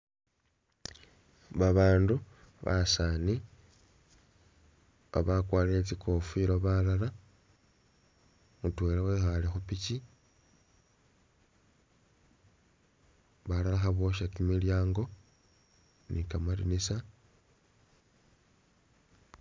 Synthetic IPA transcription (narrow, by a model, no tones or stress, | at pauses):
βaβaːndu | βa̰sani | βa̰βakwaːleet͡sikofiɾoβalala | mutweːlewexalexupici | βalalaxaβo̞ʃakimiljaːŋɡo̞ | nikamalinisa